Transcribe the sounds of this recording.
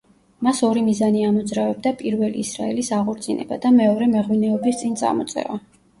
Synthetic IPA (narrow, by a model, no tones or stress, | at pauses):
masɔɾimizaniamɔd̪zɾavɛb̚d̪apʼiɾvɛlḭːsɾa̰ɛlisaʁɔɾt̪zʼinʔɛ̰ba̰d̪amɛɔɾɛmɛʁwinɛɔbist̪sʼint̪sʼa̰mɔt̪sʼɛ̰va